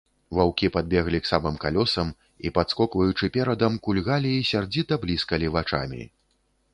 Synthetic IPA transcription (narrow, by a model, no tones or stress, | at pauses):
vawkʲipad̪̚bʲɛɣlʲiksamɨmkalʲɔsɐm | ipat̪skɔkvɐjut͡ʂɨpʲɛɾɐd̪ɐmkulʲɣalʲiːsʲard͡zʲit̪ɐblʲiskɐlʲivat͡ʂa̰mʲḭ